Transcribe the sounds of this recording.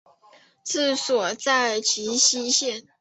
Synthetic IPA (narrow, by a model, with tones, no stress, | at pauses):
t͡sɹ̩˥˩swɔ˨˩t͡sa˥˧ɪt͡ɕʰi˧˥ɕi˥ɕjɛ˥˩n